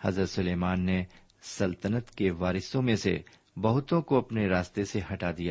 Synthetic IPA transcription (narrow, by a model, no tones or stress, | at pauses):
hɐzəɾsʊleːmaːnːe | sɐlt̪ənət̪keʋaːɾɪsõmẽsḛ | bɐɦʊt̪õkoɐpneɾaːst̪eseɦɐʈad̪ija